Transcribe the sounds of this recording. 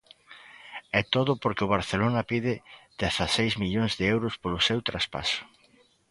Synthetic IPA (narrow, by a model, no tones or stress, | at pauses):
ɛt̪oðʊpoɾkɪʊβ̞aɾθelonɐpiðɪð̥eθasejzmiʎoŋzðɪewɾʊspolʊsewt̪ɾaspa̰sʊ̥